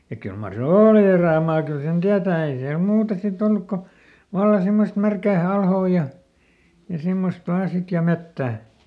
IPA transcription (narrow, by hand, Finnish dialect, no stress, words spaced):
jɑ kyl mɑr se oːli eræˑmɑː kyl sen tiætæː ei siæl muːtɑ sit olːuk ko ʋɑlːɑ simːost mærkæː ɑlhoː jɑ jɑ simːost ʋɑː sit jɑ metːæˑ